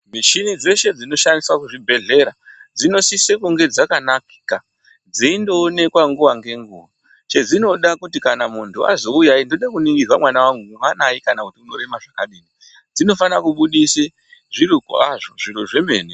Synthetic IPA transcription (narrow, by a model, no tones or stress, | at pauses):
miʃinid͡ze̞ʃe̞d͡zino̞ʃandiswakuʐibʱe̞ɮe̞ɾad͡zino̞sisekuŋɡe̞d͡zakanaki̥ka | d͡ziindo̞ːne̞kwaŋɡuʋaŋɡe̞ŋɡṵʋa | t͡ʃe̞d͡zino̞ɗakutikanamuntʰua̰zo̞ujaindoɗakuniŋɡirwamwanawaŋɡumwanajikanakutiuno̞ɾe̞maʐakaɗiːni | d͡zino̞fanakuɓuɗise | ʐiɾukaʐoʐiɾoʐe̞me̞ːni